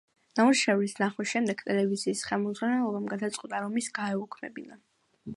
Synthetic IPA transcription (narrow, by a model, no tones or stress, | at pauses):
n̥amuɾʃɛvlisnaχwɛʃɛmd̪ɛɡ̥t̪ʼɛlɛviziːsχɛlˠmɔd̪zʁwanɛlˠɔbamɡad̪at̪sʼqʼwut̪ʼaɾɔmisɡaɛukʰmɛ̰bina